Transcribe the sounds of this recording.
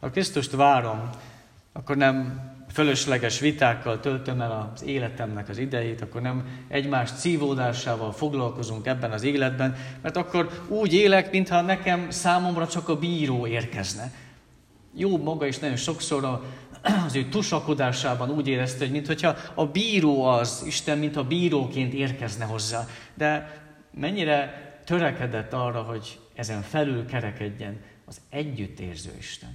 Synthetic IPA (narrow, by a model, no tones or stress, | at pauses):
hɒ̰krist̪uʃt̪vaːɾo̞m | ɒkːo̞rnɛmføløʃlɛɡɛʃʋit̪aːkːɒlt̪ølt̪ø̞mɛlɒz̥eːlɛt̪ɛmnɛkɒzid̪ɛjeːt̪ɒkːornɛmʔɛɟmaːʃt̪siːvoːd̪aːʃaːvɒlfo̞ɡlɒlko̞zuŋkɛbːɛnɒzeːlɛd̪bɛnmɛrt̪ɒkːo̞ɾuːɟeːlɛkmint̪hɒnɛkɛmsaːmo̞mrɒt͡ʃɒkɒbiːɾoːeːrkɛznɛ | joːbmɒɡɒeʃnɒjo̞nʃo̞kso̞ɾɒ | ɒzøːt̪uʃɒkod̪aːʃaːbɒnuːɟeːɾɛst̪ɛɦomint̪ho̞cʰhɒɒbiːɾoːɒziʃt̪ɛmmint̪hɒbiːɾoːkeːnt̪eːrkɛznɛɦo̞zːaːd̪ɛ | mɛɲːiɾɛt̪ø̞ɾɛkɛd̪ɛt̪ːɒrːɒɦo̞ɟ | ɛzɛɱfɛlylkɛɾɛkɛɟːɛn | ɒzɛɟːyt̪ːḛːrzø̰ːḭʃt̪ɛ̰n